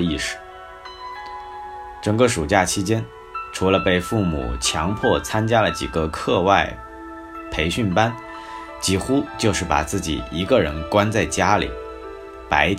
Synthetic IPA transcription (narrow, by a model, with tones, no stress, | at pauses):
i˥˩ʂɻ̩˨˩˦ | ʈ͡ʂɤ˨˩ŋkə˥˧ʂu˨˩t͡ɕja˥˩t͡ɕʰi˧˥t͡ɕjɛ˥n | ʈ͡ʂʰu˧˥lə˧pe˥˧ɪfu˥˩mṵ˨˩t͡ɕʰjɑ̰˧˥ŋpʰwɔ˥˩t͡sʰa˥nt͡ɕja˥lə˨t͡ɕḭ˨˩ɡə˦kʰɤ˥˧wa˥˩ɪ | pʰe˧˥ɪɕy˥˩npa˥n | t͡ɕi˥˩xu˥t͡ɕjo˥˧ʊʂɻ̩˥˩pa̰˨˩t͡sɹ̩˥˩t͡ɕḭ˨˩i˧˥ɡə˧ɻə̰˧˥nkwa˥nt͡sa˥˩ɪt͡ɕja˥lḭ˨˩˦ | pa˧˥ɪ